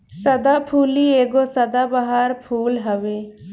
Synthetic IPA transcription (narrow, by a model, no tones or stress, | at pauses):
sɐd̪aːpʰuːlieːɡosɐd̪aːbaɦaɾpʰuːlɦəʋeː